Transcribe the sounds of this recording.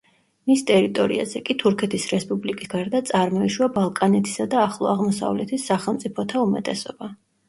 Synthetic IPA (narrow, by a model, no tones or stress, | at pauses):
mist̪ʼɛɾit̪ʼɔɾḭa̰zɛkʼit̪ʰuɾkʰɛt̪ʰisɾɛspʼublikʼisɡaɾd̪at̪sʼaɾmɔiʃwabalˠkʼanɛt̪ʰi̥sad̪aːχlˠɔ̰aʁmɔsa̰vlɛt̪ʰisːaχɛlˠmt̪sʼipʰɔt̪ʰaumɛt̪ʼɛsɔba